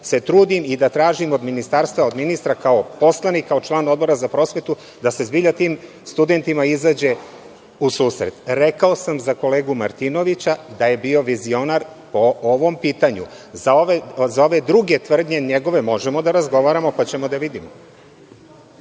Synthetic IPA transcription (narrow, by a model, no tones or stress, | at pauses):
se̞t̪ɾuːd̪imid̪at̪ɾaːʒimo̞d̪minist̪aɾst̪ʋao̞d̪minist̪ɾakaopo̞slˠanikːaot͡ʃlˠaːno̞d̪bo̞ɾazapɾo̞sʋe̞t̪u | d̪ase̞zbiʎat̪iːm | st̪ud̪e̞nt̪imaizaːd͡ʑe̞ | usuːsɾe̞̰t̪ɾekao̞samzako̞leːɡumaɾt̪ino̞ʋit͡ɕad̪aje̞bio̞ʋizio̞naɾ | po̞oʋo̞mpiːt̪aɲṵ | zaoʋezao̞ʋe̞d̪ɾuɡe̞t̪ʋr̩d̪ɲe̞ɲeɡo̞ʋe̞mo̞ʒemo̞d̪aɾazɡo̞ʋaɾamo̞pat͡ɕe̞mo̞d̪aʋid̪imo